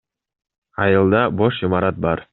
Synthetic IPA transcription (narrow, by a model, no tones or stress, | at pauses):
ɑjɯlˠd̪ɑboʃimɑɾɑt̪̚bɑɾ